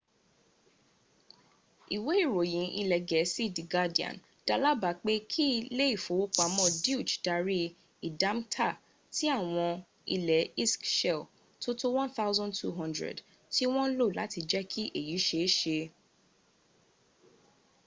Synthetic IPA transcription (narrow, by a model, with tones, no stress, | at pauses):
i˨we˨˦i˦˨ɾo˨jĩ˨˦ʔi˧lɛ˨ɡɛ˨˦si˦˨di˨ɡa˦di˨ã̰˨n | d̥a˦la˦ba˨˦k͡pe˦kʰi˦˧le˦i˦˨fo˨˦wo˦k͡pa˨˧mɔ̃˦˨di˦u˦˨t͡ʃd̥a˧ɾi˦ | i˨dã˦mtʰa˦˨ | ti˦a˦˨w̃ɔ̃˧ | i˧lɛ˨˦i˦skʃɛ˦˨l | to˦to˦w̃ɔ̃˦nθa˦ʊzɔ̃˦ntʰṵ˦ɦɔ̃˦ndɾɛ̰˨d | ti˦w̃ɔ̃˦lo˦˨la˨˦ti˧d͡ʒɛ˦kʰi˦ʔe˦˨ji˨˦ʃe˧˦ʃe˧